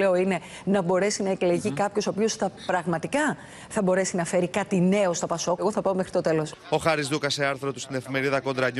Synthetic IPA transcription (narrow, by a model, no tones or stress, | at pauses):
e̞oine̞ | nɐbo̞ɾe̞sinɐekle̞ʝikɐpço̞soːpio̞st̪ɐpɾɐɣmɐt̪ikɐ | θɐbo̞ɾe̞sinɐfe̞ɾikɐt̪ine̞o̞st̪opɐso̞ɣo̞θɐpɐome̞xɾit̪o̞t̪e̞lo̞so̞xɐɾizðukɐseɐɾθɾot̪ust̪ine̞fime̞ɾiðɐko̞nd̪ɾɐɲ